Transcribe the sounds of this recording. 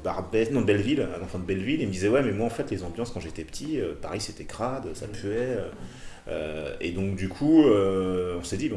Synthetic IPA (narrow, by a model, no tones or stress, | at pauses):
baʁbɛnɔ̃d̪əbɛlvilɛ̰̃nɑ̃fɑ̃d̪əbɛlviliməd̪izɛwɛmɛmwaɑ̃fɛt̪lezɑ̃bjɑ̃skɑ̃ʒet̪ɛpə̥t̪ʰiøpaʁɛjset̪ɛkʁad̪øsapʰyɛøø̰ḛd̪ɔ̃kd̪ykʰuøɔ̃sɛd̪ib̃